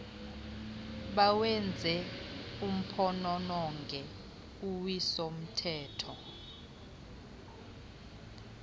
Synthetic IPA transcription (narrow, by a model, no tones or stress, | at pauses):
ɓawɛnd͡zʱɛum̩pʰɔnɔnɔŋɡʱɛ | uwisom̩tʰɛːtʰɔ